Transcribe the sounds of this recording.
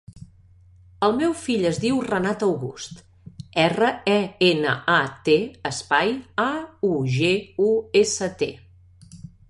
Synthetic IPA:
əlˠmɛwfiʎəzðiwrənat̪əwɣṵst̪ | ɛrəɛenə̰at̪eəspajauʒeuesət̪e

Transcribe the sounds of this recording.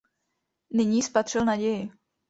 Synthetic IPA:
nɪɲiːspat̪r̝̥ɪlnaɟɛjɪ

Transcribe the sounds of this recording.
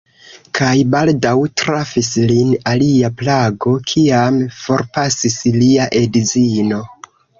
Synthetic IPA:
kʰajbaldawtɾafislinaliaplaɡo̞kʰiamfo̞ɾpasisliaʔedzino̞

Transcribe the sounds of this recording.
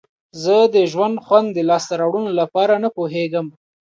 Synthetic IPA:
zəd̪əʒwand̪xwand̪ːəlɑst̪aɾɑwɽunolapɑɾanapoɦeɡəm

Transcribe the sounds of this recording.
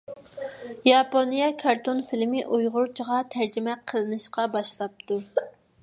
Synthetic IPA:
jɑponijɛkʰɑɾt̪onfilmɪʔujʁʊɾt͡ʃʰəʁɑt̪ʰæɾd͡ʒɪmɛqʰːəlˠɨnɨʃqɑbɑʃlˠɑp̚t̪u

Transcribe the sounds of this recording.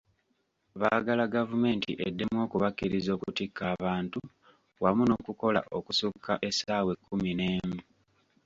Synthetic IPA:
βaɡalaɡavume̞ːntḭʔedːe̞mwo̞ːkuβakːiɾizo̞ːkutikʰːaːβaːntu | wamuno̞kuko̞la̰ʔo̞kusukːaʔe̞saːwe̞kːumine̞ːmu

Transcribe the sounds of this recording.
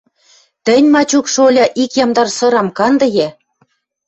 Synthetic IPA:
t̪ɘ̆nʲmɑt͡ɕukʃolʲɑʔikjɑmd̪ɑrsɤ̆ɾɑmkɑnd̪ɤ̆jæ

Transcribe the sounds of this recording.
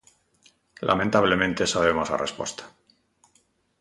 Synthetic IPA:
lʔa̰ment̪aβle̞mẽ̞nt̪e̞saβ̞e̞mozla̰respwe̞̰st̪ḁ

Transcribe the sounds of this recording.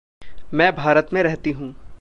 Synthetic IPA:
mɛ̃ːbʱaːɾət̪mẽɾɛɦt̪iɦũː

